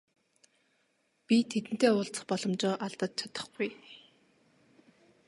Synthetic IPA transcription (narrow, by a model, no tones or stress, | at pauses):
pʲit̪ʰet̪ɘ̆n̥t̪eːʊːɬt͡sə̥̆χpɔɮɞ̆mt͡ɕʊːʔaɮt̪ə̆t̪̚t͡ɕʰɔt̪ɞ̥̆χɡ̥uj